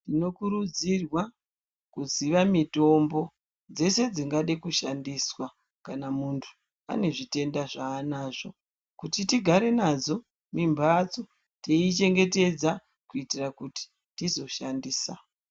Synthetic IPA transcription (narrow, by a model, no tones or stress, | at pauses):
tino̞kuɾud͡zirwa | kuziʋamito̞mbo̞ | d͡ze̞se̞d͡ziŋɡaɗekuʃandiswa | kanamuntʰu̥ | a̰ne̞ʐite̞ndaʐaːnaːʐo̞ | kutitiɡʱaɾe̞nad͡zo̞ | mimbʱat͡so | teit͡ʃe̞ŋɡe̞te̞d͡za | kuitirakuti̥ | tizo̞ʃandiːsa